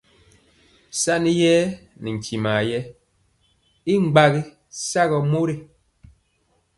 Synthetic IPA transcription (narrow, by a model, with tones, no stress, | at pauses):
sa˦ni˦jɛ˦ni˨ŋ̩˨ki˨maː˨jɛ˦ | i˦ŋ͡m̩˨ɡ͡ba˦ɣi˦ | sa˦ɣɔ˨mo˦ɾi˦˨